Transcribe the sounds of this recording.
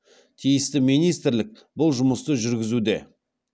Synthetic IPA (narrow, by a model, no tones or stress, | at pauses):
t̪ʰijɪst̪ɪminijst̪ɾlɪk̚ | bʊlˠʒʊməst̪əʒʏɾɡʲɪzud̪e̞̰